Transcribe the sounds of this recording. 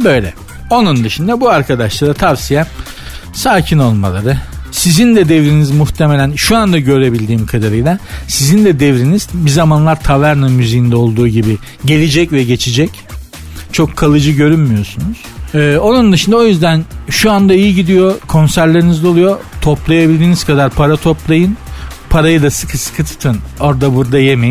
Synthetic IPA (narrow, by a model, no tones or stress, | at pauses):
bø̞jlʲɛ̰ | o̞nund̪ɯʃɯnd̪abuaɾkʰad̪aʃlˠaɾat̪ʰavsijɛ | saːcʰino̞lˠma̰lˠaɾɯsizind̪ɛd̪evɾinizmuxt̪ʰemelʲænʃuand̪aɟø̞ɾe̞bilʲd̪iːmkʰad̪aɾɯjlˠasizind̪ɛd̪evɾiniz̥bizamanlˠaɾt̪ʰavæɾnɯmyzijind̪ɛo̞lˠd̪uːɟibi | ɟe̞lʲid͡ʒɛcvɛɟe̞t͡ʃʰid͡ʒɛc | t͡ʃʰo̞kʰːalˠɯd͡ʒɯɟø̞ɾynmijo̞sunuz̥ɛːo̞nund̪ɯʃɯnd̪ɛo̞jyzd̪ænʃuand̪aijiɟid̪ijo̞kʰo̞nsæɾlʲe̞ɾinizd̪ɛo̞lˠujo̞t̪ʰo̞plˠajabilʲd̪iːniz̥kad̪aɾpʰaɾat̪ʰo̞plˠajɯn | pʰaɾajɯd̪asɯkʰɯsɯ̥kʰɯt̪ʰɯ̥t̪ʰɯno̞ɾd̪abuɾd̪ajemejin